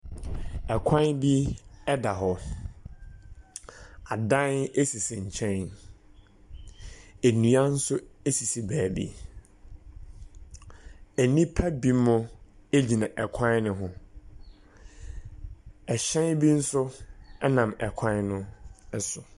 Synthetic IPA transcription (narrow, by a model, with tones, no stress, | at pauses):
ɛ˨kʷʰã˦nbi˦ɛ˦da˨ɦɔ˦ | a˨dã˦ne˦si˨sɪ˨ɲ̩˨t͡ɕʰɛ̃˦n˨ | e˨nũ˨a˦n̩˦sʊ˦e˦si˨si˦bæː˨bḭ˦ | æ˨nĩ˦pʰæ˦bi˦mʊ̃˦e˦d͡ʑi˨nã˨ʔɛ˨kʷʰã˦nnʊ̃˨ɦʊ̃˦ | ɛ˨ɕɛ̃˦nbi˦n̩˦sʊ˦ɛ˦nã˨mɛ˨kʷʰã˦nnʊ̃˦ɛ˦sʊ˨